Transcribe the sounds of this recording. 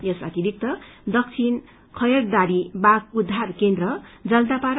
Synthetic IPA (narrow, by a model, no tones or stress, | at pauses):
jʌsa̰t̪iɾik̚t̪ʌd̪ʌk̚t͡sʰin | kʰʌjʌɾd̪aɾibaɡud̪ʱːarkend̪ɾʌd͡zʌld̪apaɾ